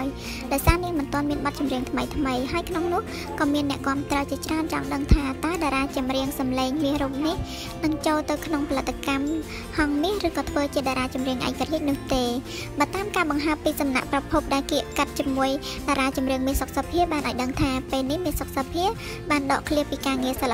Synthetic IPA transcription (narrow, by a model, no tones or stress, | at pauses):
j | ɗaɔjsaːniəŋmɨnt̪ŏənmiənɓɑt̪̚t͡ɕumriəŋt̪ʰməjt̪ʰməjɦaəjkʰnoŋnʊ̆əh | kɑːmiənːɛ̆əʔkŏəmt̪rəwt͡ɕiət͡ɕraənt͡ɕɑ̰ŋɗəŋt̪ʰaːt̪aəɗaɾaːt͡ɕumriəŋsɑmleːŋmiəhruːp̚nih | nɨŋt͡ɕoːlt̪ɨwkʰnoŋpʰalɨt̪ːakam | hɑŋmiəhrɨːkɑːt̪ʰʋəːt͡ɕiəɗaɾaːt͡ɕumriəŋʔa̰ɛkariəc̚nʊ̆əht̪eː | ɓaːt̪aːmkaːɓɑŋɦaəpːiːsɑmna̰ʔprɑpʰup̚ɗaɛlpkiəʔkat̪̚t͡ɕiəmuəj | ɗaːɾaːt͡ɕumriəŋmiəhsok̚sapʰiəɓaːnʔaɔjɗəŋt̪ʰaːpeːlnihmiəhsok̚sapʰiə | ɓaːnɗɑːʔkʰliəpiːkaːŋiəsalːa